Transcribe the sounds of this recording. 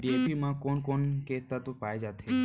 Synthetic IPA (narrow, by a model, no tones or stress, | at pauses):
ɖiepimãkɔnkɔnket̪ːat̪opajd͡ʒat̪ʰe